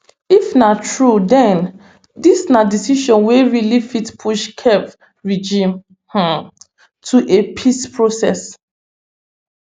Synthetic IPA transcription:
ifnatʰɹudɛ̃n | disnadisiʃɔ̃nweɹilifitpʰuʃkʰɛv | ɹid͡ʒĩm | h̩ | tʰuʔepʰispʰɹosɛs

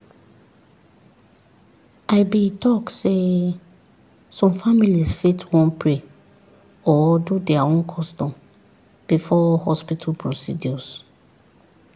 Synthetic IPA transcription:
aɪbitʰɔkse | sɔ̃mfamilisfetʰwɔ̃npʰɹe | ɔdudɛaõnkʰɔstɔ̃m | b̥ifɔhɔspitʰalpʰɹosḭdiɔs

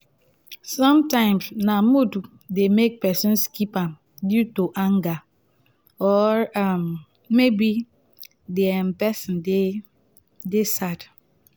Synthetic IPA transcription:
sɔ̃mtãɪ̃msnamudu | demek̚pɛsĩnskipãm | djutuʔãŋɡa | ɔam | mebi | deampɛsĩnde | desad

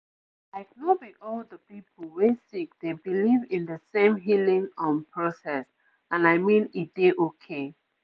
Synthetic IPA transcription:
laɪknobiɔldəpipʰolwesik̚debilivĩndəsẽmɦilĩŋə̃npʰɹɔsɛs | ãnaɪmĩnid̥eʔokʰe

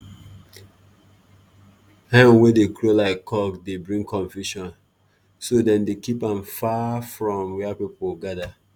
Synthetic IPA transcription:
hɛ̃mwedekʰlolaɪkʰːɔkdebɹĩŋkʰɔ̃ɱfjuʃɔ̃n | sodɛ̃ndekipãmfafɹɔ̃mwɛpipolɡada

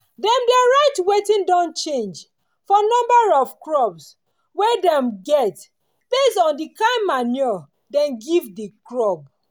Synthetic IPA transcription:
dɛ̃mdɛɹaɪtwetĩndɔ̃nt͡ʃẽnd͡ʒ | fɔnɔ̃mbaɹɔv̥kɹɔbs | wɛdɛ̃mɡɛt | b̥esɔ̃ndikãɪmːanjɔ | dɛ̃nɡivdikɹɔb

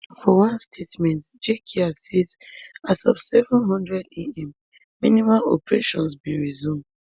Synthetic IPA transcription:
fɔwãnstʰetmɛ̃ntd͡ʒekʰiasisasɔfsɛvɔ̃nɦɔ̃ndɹɛdeɛ̃mː | inimalɔ̰pɹeʃɔ̃nsbĩnɹizũmd

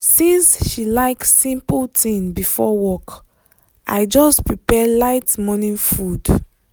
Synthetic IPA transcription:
sĩnsʃilaɪksĩmpltʰĩŋbifɔwɔk | ʔa̰jd͡ʒɔspɹipɛlaɪtmɔnĩnfud

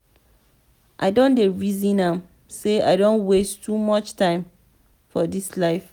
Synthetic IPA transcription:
ʔaɪdõndeɹizĩnãm | sea̰ɪdõnwestʰumɔt͡ʃtãɪ̃m | fɔdislaɪf

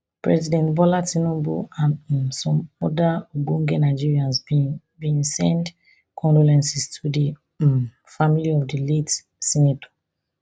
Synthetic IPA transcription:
pɹɛ̰zidɛ̃ntvɔlatinɔ̃mbṵãnsɔ̃mɔdauɡõŋɡɛnaɪd͡ʒiɹiãns | bĩnsɛ̃nd | kʰɔ̃ndɔlɛ̃nsistʰudi | familiɔvdilet | sɛnatʰɔ̥

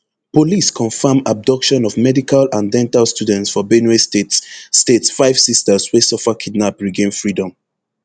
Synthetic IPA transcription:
poliskʰɔ̃nfamab̚dɔkʃɔ̃nɔvmɛdikalãndɛ̃ntalstudɛ̃ntsfɔbɛnestetstetsfaɪv̥sistəswesɔfakʰidnapɹiɡẽnfɹidɔ̃m

